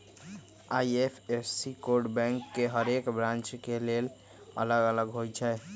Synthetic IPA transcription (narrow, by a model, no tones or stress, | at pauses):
ajepʰesikoɾɖbɛ̃ŋkːeɦəɾekbɾãnt͡ʃkelel | ə̰ləɡələɡɦojt͡ʃʰɛ